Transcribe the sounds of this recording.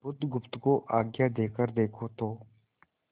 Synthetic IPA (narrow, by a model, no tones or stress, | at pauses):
bʊd̪ɡʊpt̪koːʔaːɡjaːd̪eːkəɾd̪eːkʰoːt̪ʰoː